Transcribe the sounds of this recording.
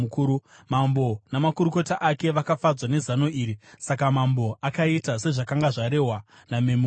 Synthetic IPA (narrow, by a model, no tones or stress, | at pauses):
ukuːɾu | mambo̞namakuɾuko̞taʔake̞ʋakafad͡zwanezano̞iːɾisakamambo̞ʔakaitase̞ʐakaŋɡaʐaɾe̞ɦwa | namemu